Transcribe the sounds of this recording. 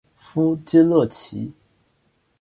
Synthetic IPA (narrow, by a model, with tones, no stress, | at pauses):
fu˥t͡ɕi˥lɤ˥˩t͡ɕʰḭ˧˥